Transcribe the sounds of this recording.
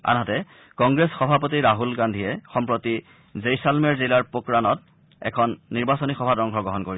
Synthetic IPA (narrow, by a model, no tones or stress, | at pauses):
a̰nɦɔtɛ | kɔŋɡɹesxɔbʱapotiɹaɦulɡandʱiɛxɔmpɹoti | zejsalmɛɹzilaɹpokɹanɔt̚ | ɛ̰kʰɔnːiɹbasonixɔbʱadɔŋɡʱɔɡɔɦɔnkoɹiɛ